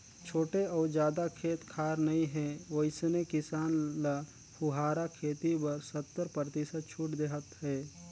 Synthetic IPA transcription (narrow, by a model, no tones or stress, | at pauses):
t͡ʃʰoːʈeɔːɾd͡ʒjaːd̪akʰeːt̪kʰaːɾnɐĩɦɛːʋoɪsnekɪsaːnla | pʊɦaːɾakʰeːt̪ibəɾsət̪ːəɾpɾɾt̪ɪsəd̪̚t͡ʃʰuːʈd̪eːɦət̪ɦɛː